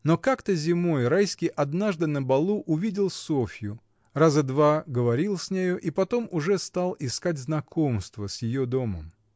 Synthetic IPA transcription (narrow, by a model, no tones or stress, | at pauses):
no̞kakt̪əzʲɪmo̞jrajskʲɪjʔɐd̪naʐd̪ɨnəbɐlˠuʔʊvʲidʲɪlˠsofʲjʊ | razəd̪vaɡəvɐɾʲilˠsʲnʲejoʔipɐt̪o̞mʊʐɛst̪alˠɪskatʲznɐkʰomst̪vəsʲjɪjod̪o̞məm